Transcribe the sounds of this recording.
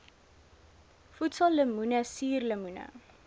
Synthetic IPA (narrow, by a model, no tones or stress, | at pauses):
futsɐlːəmunəsiːrləmunə̰